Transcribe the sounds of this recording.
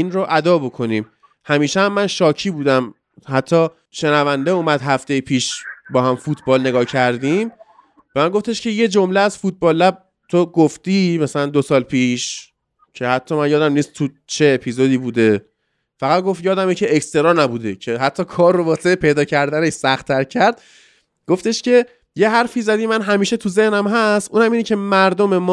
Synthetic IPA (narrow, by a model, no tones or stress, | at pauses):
inroʔæd̪ɒːbo̞kʰo̞niːm | hæmiːʃeæmːænʃɒːcʰiːbuːd̪æm | hæt̪ʰːɒː | ʃe̞nævænd̪euːmæd̪ɦæft̪e̞jipʰiːʃbɒːɦæmfuːt̪ʰbɒːlne̞ɡɒːcʰæɾd̪im | b̥emænɡo̞ft̪e̞ʃcʰe̞je̞d͡ʒo̞mleæz̥fut̪̚bɒːlːæb̚ | t̪ʰoɡoft̪iːmæsælænd̪osɒːlpʰiːʃ | cʰe̞hæt̪ʰːɒːmænjɒːd̪æmniːst̪ʰːu | t͡ʃʰe̞ːpʰizod̪iːbuːd̪e̞ | fæɣæt̪̚ɡo̞ft̪jɒːd̪æmecʰeːkst̪e̞ɾɒːɾnæbuːd̪e̞cʰe̞ɦæt̪ʰːɒːkʰɒːrrːobɒːseepʰe̞jd̪ɒːcʰæɾd̪æneʃsæxt̪ʰːæɾcʰæɾd̪̚ | ɡ̥o̞ft̪e̞ʃce̞ | jeɦæɾfiːzæd̪iːmænɦæmiːʃet̪ʰuze̞hnæmɦæst̪ʔuːnæmiːnɛcʰe̞mæɾd̪ome̞mː